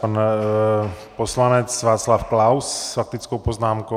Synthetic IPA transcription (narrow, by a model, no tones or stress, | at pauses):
pan | poslanɛt͡sʋaːt͡slafklawsfak̚t̪it͡skowpoznaːmko